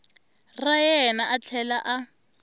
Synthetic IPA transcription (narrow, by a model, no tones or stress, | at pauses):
rajɛnaʔat͡ɬʰɛlaʔa